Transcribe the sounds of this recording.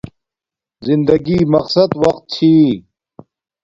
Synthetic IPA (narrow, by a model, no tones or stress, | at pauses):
zind̪ɐɡimɐqsɐd̪wɐqt̪̚t͡ɕʰi